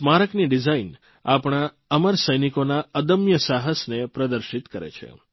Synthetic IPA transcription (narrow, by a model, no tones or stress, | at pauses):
maɾəkniɖid͡ʒain | a̰pɳ̃a | əməɾsəjnikonaəd̪əmjəsaɦəsnepɾəd̪əɾʃit̪kəɾḛt͡ʃʰḛ